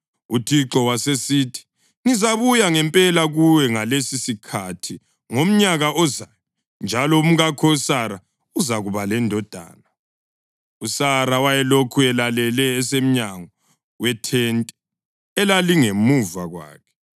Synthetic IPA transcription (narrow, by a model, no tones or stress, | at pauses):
utʰiǁɔwasesitʰi̥ | ŋizaβujaŋɛmpʼɛlaɣuwɛŋalesisikʰatʰi | ŋom̩ɲaɣaʔɔzajɔ | nd͡ʒʱalɔum̩ɣakʰɔusaɾa | uzaɣuβalɛndʱɔd̥ʱa̰ːna | usaɾawajɛlokʰuɛlalɛlɛːsem̩ɲaŋɔ | wɛtʰɛntʼɛː | laliŋemuvaɣwa̰ːkʰɛ̥